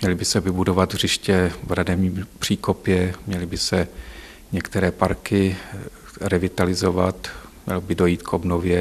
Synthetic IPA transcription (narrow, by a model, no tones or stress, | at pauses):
mɲɛlɪbɪsɛvɪbudo̞vat̪r̝ɪʃcɛvɾadɛvɲiːmpr̥iːko̞pjɛmɲɛlɪbɪsɛ | ɲɛkt̪ɛɾɛːpaɾkɪ | ɾɛvɪt̪alɪzovat̪mɲɛ̰lobɪdo̞jiːt̪kʰobnovjɛ